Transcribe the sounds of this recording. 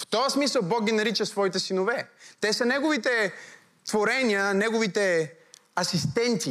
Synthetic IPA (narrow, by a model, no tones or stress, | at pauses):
ft̪ɔvɐsmisəlˠbɔk̚ɡʲinɐɾit͡ʃəsvɔit̪ɛsinovɛt̪ɛsɐnɛɡovit̪ɛ | t̪voɾɛniənɛɡovit̪ɛ | ɐsist̪ɛnt̪i